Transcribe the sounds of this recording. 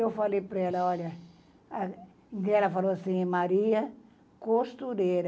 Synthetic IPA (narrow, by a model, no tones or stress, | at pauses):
ewfalejpɾɐɛlɐɔʎɐ | kɛlɐfaloasĩmaɾiɐ | kost̪uɾeɾɐ